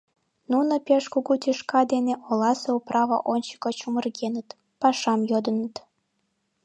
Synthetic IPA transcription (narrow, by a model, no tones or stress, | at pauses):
nunopeʃkuɣut̪ʲiʃkɑd̪eneʔolɑseuprɑβə̰ʔonʲt͡ɕə̥kot͡ɕumə̆rɡenət̪ | pɑʃɑmjod̪ənət̪